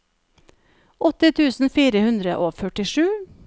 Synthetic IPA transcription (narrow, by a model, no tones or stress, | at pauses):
ʔɔt̪ɪt̪ʰʉːsn̩fiːɾəhʉnd̪ɾəʔoːfœʈɪʃʉː